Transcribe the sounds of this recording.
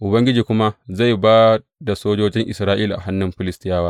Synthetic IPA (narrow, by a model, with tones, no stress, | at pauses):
ʔʊ˨bɐ˦ŋɡʲɪ˦d͡ʒiː˨kʷʊ˦ma˦za˦˨jbaː˦ | da˨soː˦d͡ʒoː˦d͡ʒɪ˦ŋʔɪ˨sɾaː˦ʔiː˦la˨ʔa̰˨ɦa˦nːɪ˨mɸɪ˦lɪ˦stɪ˦jaː˦waː˦